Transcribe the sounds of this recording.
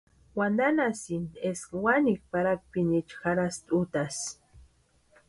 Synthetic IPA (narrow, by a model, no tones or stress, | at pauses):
wand̪anasind̪eskwanik̚paɾak̚pinit͡ʃxaɾast̪ʼut̪as